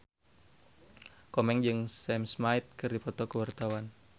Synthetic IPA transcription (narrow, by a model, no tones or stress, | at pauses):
kɔmɛŋd͡ʒɨŋsɛmsmait̪̚kɨrdipɔt̪ɔkəwart̪awan